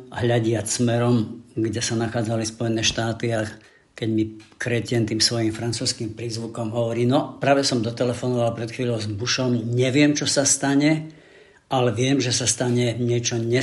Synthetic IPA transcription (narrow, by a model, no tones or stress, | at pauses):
ɦʎaɟɪat͡ssmɛɾɔmɡɟɛsanaxaːd͡zalispɔjɛnɛːʃt̪aːt̪ia | kɛɟmikɾɛcɪɛnt̪iːmsʋɔjimfɾant͡suːskimpɾiːzʋukɔmɦɔʋɔɾiːnɔpɾaːʋɛsɔmd̪ɔt̪ɛlɛfɔnɔʋalpɾɛt̪xʋiːʎɔʊzbuʃɔmɲɛʋɪɛmt͡ʃɔsast̪aɲɛ | ʔalɛʋɪɛmʒɛsast̪aɲɛɲɪɛt͡ʃɔɲɛ